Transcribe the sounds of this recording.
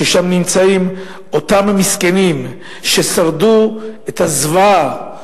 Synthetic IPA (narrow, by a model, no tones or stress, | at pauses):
eʃamnimt͡saim | ot̪amamiskenim | ʃe̞saʁduet̪hazva